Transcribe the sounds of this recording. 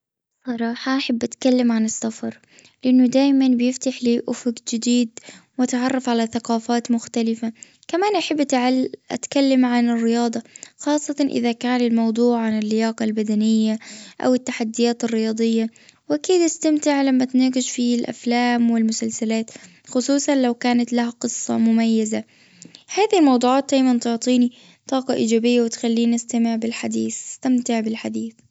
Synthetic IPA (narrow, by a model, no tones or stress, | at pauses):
sˤɑɾˤɑːħɑʔaħabːʔat̪kalːamʕanɪsːafɑɾˤ | lɪʔanːʊd̪aːjmanbɪjɪft̪aħliːʔʊfʊɡd͡ʒɪd̪iːd̪mat̪aʕɑrˤːɑfʕalaθaqɑːfaːt̪mʊxt̪alɪfa | kamaːnʔaħabːʕaʔa̰t̪kalːamʕanɪrːɪjɑːd̪ˤɑxɑːsˤːɑt̪ɑnʔɪ̰ðakaːnɪlmɑwd̪ˤuːʕʕanɪlːɪjɑːqɑlbad̪anɪjːaʔa̰wɪt̪ːaħad̪ːɪjaːt̪ɪrːɪjɑːd̪ˤɨjːawʔakiːd̪ʔɪst̪amt̪ɪʕlamːat̪naːɡɪʃfilʔa̰flaːmwɪlmʊsalsalaːt̪ | xʊsˤuːsˤɑnlawkaːnat̪lahaqɨsˤːɑ̰mʊmajːaza | haːðilmɑwd̪ˤuːʕɑːt̪̚d̪ajmant̪ʊʕt̪ˤiːni | t̪ˤɑːqɑʔiːd͡ʒaːbɪjːawɪt̪xalːiːnʔast̪amɪʕbɪlħad̪iːθɪst̪amt̪ɪʕbɪlħad̪iːθ